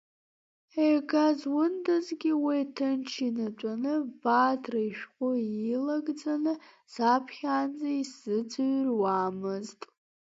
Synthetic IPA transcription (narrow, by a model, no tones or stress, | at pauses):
eɡazwʊndazɡʲiwitʰɨnt͡ʃʰinat͡ʃʷʼanɨbaːtʰraiʃᶣqʷʼʊilaɡd͡zanɨ | z̥apʰχʲaːnd͡zaisɨd͡zʷɨɥrwaːmɨztʼ